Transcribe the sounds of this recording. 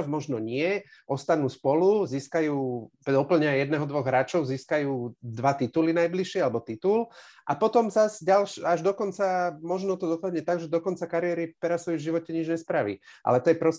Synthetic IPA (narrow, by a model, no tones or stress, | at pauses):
ɔvmɔʒnɔɲɪɛ | ʔɔst̪anuːspɔluziːskajuːɔpl̩ɲɛajɛd̪nɛɦɔd̪ʋɔɣɦɾaːt͡ʃɔʊziːskajuːd̪ʋat̪it̪ulinajbliʃɪɛalɛbɔt̪it̪ulʔapɔt̪ɔmzazɟalʃaʒd̪ɔkɔnt͡samɔʒnɔt̪ɔd̪ɔpaɦɲɛt̪aɡʒɛd̪ɔkɔnt͡sakaɾiɛɾipɛɾasɔjuvʒiʋɔcɛɲid͡ʒɲɛspɾaʋḭʔa̰lɛt̪ɔjɛpɾɔs